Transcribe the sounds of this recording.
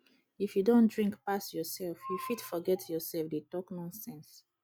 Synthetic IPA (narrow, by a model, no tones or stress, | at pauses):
ifjudõndɹĩŋkpasjɔsɛlfjufitfɔɡɛtʰjɔsɛlfdetɔknɔ̃nsɛ̃ns